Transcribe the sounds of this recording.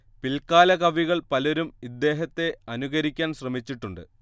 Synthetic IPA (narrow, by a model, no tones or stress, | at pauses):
pilkaːlɐkɐʋiɣɐɭpɐlo̞ɾumid̪ːe̞ːɦɐt̪ːe̞ɐnuɣɐɾikʲːaːnɕrɐmit͡ɕːiʈːuɳɖɨ̰